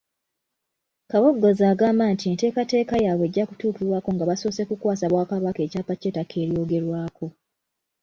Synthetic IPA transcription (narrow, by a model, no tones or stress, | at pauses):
kaβoɡːo̞zaːɡaːmbantie̞nte̞ːkate̞ːkajaːβwe̞ɟːaku̥tuːkiɾwaːko̞ŋɡaβaso̞ːse̞kukwaːsaβwaːkaβake̞ːcaːpat͡ʃe̞ːtakʰe̞ːɾjo̞ːɡe̞ɾwaːkʰo̞